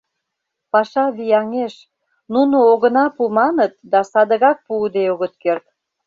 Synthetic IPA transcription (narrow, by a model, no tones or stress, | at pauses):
pɑʃɑβijɑŋeʃ | nunooɣənɑpumɑnət̪̚d̪ɑsɑd̪əɣɑk̚puːd̪eoɣət̪̚kert̪